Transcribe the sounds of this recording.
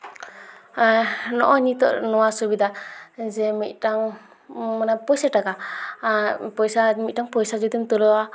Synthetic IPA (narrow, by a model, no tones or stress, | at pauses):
anɔʔɔnit̪ɔ̰ʔnɔwasɔbid̪ad͡ʒɛmit̪̚ʈaŋ | manapɔjsaʈaka | pɔjsamit̪̚taŋpɔjsad͡ʒud̪imt̪ɔlɔwa